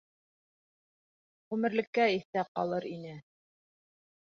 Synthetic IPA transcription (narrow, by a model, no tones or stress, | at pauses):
ʁʉmɘ̆ɾlɘ̆kːæiθæqɑ̰lˠɤɾinɘ